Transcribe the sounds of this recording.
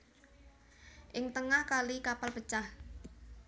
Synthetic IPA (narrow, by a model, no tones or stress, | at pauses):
ʔɪŋt̪əŋahkalikapalpət͡ʃah